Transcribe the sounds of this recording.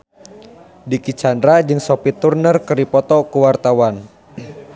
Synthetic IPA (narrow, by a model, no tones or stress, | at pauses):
dikit͡ʃandɾad͡ʒɨŋsɔpit̪urnərkəɾipɔt̪ɔkuwart̪awan